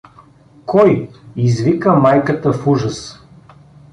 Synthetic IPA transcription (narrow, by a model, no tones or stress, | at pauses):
kɔjizvikəmajkət̪əfuʒəs